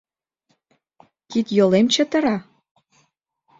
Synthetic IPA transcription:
kit̪jolemt͡ɕɘ̆t̪ɤ̆ɾɑ

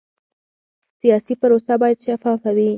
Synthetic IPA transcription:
sijɑsipaɾosabɑjad̪ʃafɑfawi

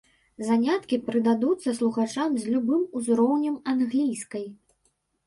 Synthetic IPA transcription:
zanʲat̪kʲipɾɨd̪ad̪ut̪sːɐslˠuɣat͡ʂamzʲlʲubɨmuzɾɔwnʲɐmanɣlʲijskɐj

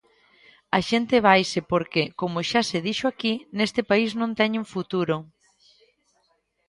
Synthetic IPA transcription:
aʃent̪ɪβajsɪpoɾkekomʊʃaseðiʃoakinest̪ɪpaisnõnt̪ɛɲuŋfut̪uɾo

